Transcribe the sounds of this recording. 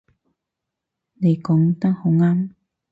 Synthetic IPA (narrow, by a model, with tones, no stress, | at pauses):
ne˨jkɔ˨˧˦ŋt̪a˥ŋho˨˧ŋa˦˥m